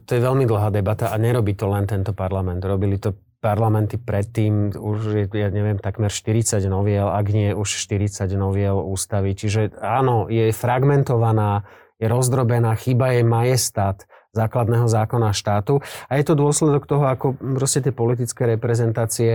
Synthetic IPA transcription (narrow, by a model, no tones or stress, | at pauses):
t̪ɔjɛʋɛlmid̪l̩ɦaːd̪ɛbat̪aʔaɲɛɾɔbiːt̪ɔlɛnt̪ɛnt̪ɔpaɾlamɛnd̪ɾɔbilit̪ɔ | paɾlamɛnt̪ipɾɛt̪ːiːmuʃjɛjaɲɛʋɪɛmt̪akmɛɾʃt̪iɾit͡saɟnɔʋɪɛlaɡɲɪɛʔuʃʃt̪iɾit͡saɟnɔʋɪɛluːst̪aʋit͡ʃiʒɛaːnɔjɛfɾaɡmɛnt̪ɔʋanaː | jɛɾɔzd̪ɾɔbɛnaːxibajɛmajɛst̪at̪ | zaːklad̪nɛːɦɔzaːkɔnaʃt̪aːt̪uajɛt̪ɔd̪ʊɔslɛd̪ɔkt̪ɔɦɔakɔpɾɔscɛt̪̬ɪɛpɔlit̪it͡skɛɾɛpɾɛzɛnt̪aːt͡siɛ